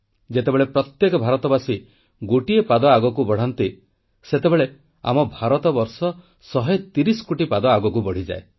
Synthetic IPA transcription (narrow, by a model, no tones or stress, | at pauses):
d͡ʒet̪ebeɭepɾɔt̪jekɔbʱaɾɔt̪ɔbasi | ɡoʈiepad̪ɔaɡɔkubɔɽ̤ant̪i | set̪ebeɭe | a̰mɔbʱaɾɔt̪ɔbɔɾsɔ | sɔɦet̪iɾisɔ̥koʈipad̪ɔaɡɔkubɔɽ̤id͡ʒa̰e